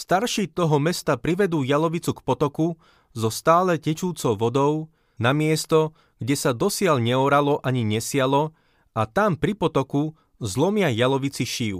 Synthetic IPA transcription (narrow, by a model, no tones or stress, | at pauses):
st̪aɾʃiːt̪ɔɦɔmɛst̪apɾiʋɛd̪uːjalɔʋit͡sukpɔt̪ɔku | zɔst̪aːlɛcɛt͡ʃuːt͡sɔʊʋɔd̪ɔʊ | namɪɛst̪ɔ | ɡ̥ɟɛsad̪ɔsɪalɲɛɔɾalɔʔaɲiɲɛsɪalɔ | at̪ampɾipɔt̪ɔku | zlɔmɪajalɔʋit͡siʃiːʊ